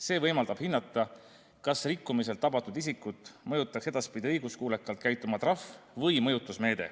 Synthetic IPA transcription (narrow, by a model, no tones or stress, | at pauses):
se̞ːvɤjmɑld̪ɑb̥hinːɑt̪ˑːɑ | kɑsrikːˑumis̬e̞lt̪ːˑɑbɑt̪ːud̪isikːˑut̪ːˑmɤjut̪ːˑɑkse̞d̪̥ɑspid̪̥ʲiɤjɡ̥uskuːlekːˑɑlt̪̚kæjt̪ːˑumɑt̪rɑfvɤjmɤ̞jut̪ːˑusme̞ːd̪̥e̞̰